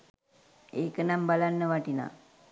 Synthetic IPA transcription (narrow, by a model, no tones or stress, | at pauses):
eknambalanːəʋaʈina̰